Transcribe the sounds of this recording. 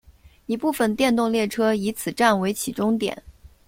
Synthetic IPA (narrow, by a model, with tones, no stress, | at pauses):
i˨˩pu˥˩fə˨˩nt̪jɛ˥˧nt̪ʊ˥˧ŋljɛ˥˩ʈ͡ʂʰɤ˥i˧˥t͡sʰɹ̩˨˩ʈ͡ʂa˥˩nwe˧˥ɪt͡ɕʰi˨˩ʈ͡ʂʊ˥ŋt̪jɛ̰˨˩˦n